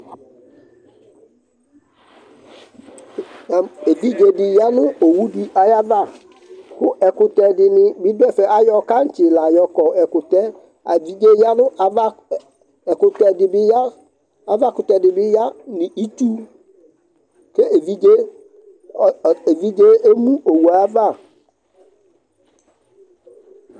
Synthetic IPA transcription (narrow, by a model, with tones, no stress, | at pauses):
a˨e˨vi˦d͡ʒe˨dɪ˨ja˦nʊ̃˦o˨wu˦di˦ʔa˨ja˦va˦˨ | kʊ˦ʔɛ˨kʊ˨tɛ˨dɪ˨nɪ̃˨bɪ˦dɛ˦˨fɛ˨ʔa˦jɔ˦ka˦n̩˦t͡ʃɪ˨la˨jɔ˦kɔ˨ɛ˨kʊ˨tɛ˦ | a˨vi˦d͡ʒe˦ja˦nʊ̃˦a˨a˦ | ɛ˨kʊ˨tɛ˨dɪ˨bɪ˦ja˦ | a˨va˦˨kʊ˨tɛ˨dɪ˨bɪ˦ja˦nɪ̃˨i˦tu˦ | ke˦e˨vi˦d͡ʒe˦˨ | e˨vi˦d͡ʒe˦e˦mũ˦o˨wu˨a˨˦va˦˨